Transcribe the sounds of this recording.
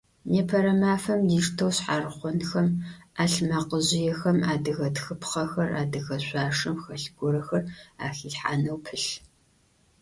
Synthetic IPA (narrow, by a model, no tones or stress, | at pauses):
neːpʰɐɾɐmaːfɐmdiːʂtʰɐwɕħaːrχʷɔnxɐmaːɬmaqəʑɪjɛxɐmaːdɨɣɐtxɨpχɐxɐra̰ːdɨɣɐɕʷaːʂɨmxɐɬɡʷʊɾɐxɐra̰ːxiːɬħa̰ːnɐwpʰɨɬ